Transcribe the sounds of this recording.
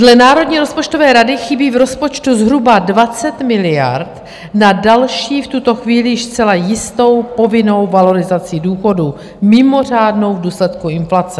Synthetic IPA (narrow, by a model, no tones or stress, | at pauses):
dlɛnaːɾo̞dɲiːɾo̞spo̞t͡ʃto̞vɛːɾadɪxɪbiːvɾo̞spo̞t͡ʃt̪uzɦɾubadvat͡sɛt̪mɪlɪja̰ɾt̪ | nadalʃiːft̪ut̪o̞xviːlɪjɪʃst͡sɛlajɪst̪o̞wpo̞vɪno̞wvalo̞ɾɪzat͡sɪduːxo̞du | mɪmo̞r̝aːdno̞wvduːslɛt̪kuɪnflat͡sɛ